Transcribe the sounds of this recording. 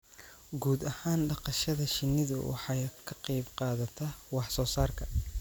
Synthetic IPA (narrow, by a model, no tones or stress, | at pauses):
ɡuːd̪ɐhaːnɖɑqɑʃɐðɐʃɪnːɪðʊ̰wɑ̰ħɑjkʰɐqɑjbqɑːðɐt̪ʰɐwɑħsɔːsaːrkʰɐ